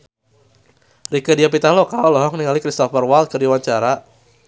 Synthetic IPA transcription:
rikədiapit̪alɔkalɔŋniŋalikɾist̪ɔfərwalt̪̚kɨrdiwaɲt͡ʃaɾa

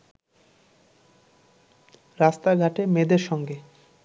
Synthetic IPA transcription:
ɾast̪aɡʱaʈemed̪eɾʃɔŋɡe

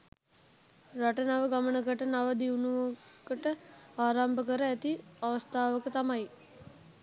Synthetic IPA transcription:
raʈənaʋəɡamənəkəʈənaʋəd̪iunuʋokəʈəaːɾambəkəɾəæt̪iaʋəst̪ʰaːʋəkət̪amaj

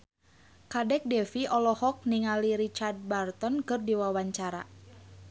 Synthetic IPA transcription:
kadɛk̚dɛfiɔlɔhɔk̚niŋaliɾit͡ʃard̪̚bart̪ɔnkɨrdiwawaɲt͡ʃaɾa̰

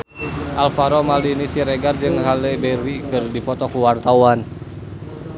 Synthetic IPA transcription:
ʔalfaɾomaliːnisiɾeɡard͡ʒɨŋɦalɛbɛɾikɨrdipɔt̪ɔkuwart̪awan

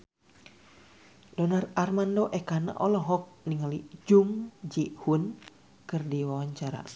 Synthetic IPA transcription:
dɔnararmandɔʔɛkana̰ʔɔlɔɦɔk̚niŋalid͡ʒuŋd͡ʒiʔhun | kɨrdiwawaɲt͡ʃaɾa̰

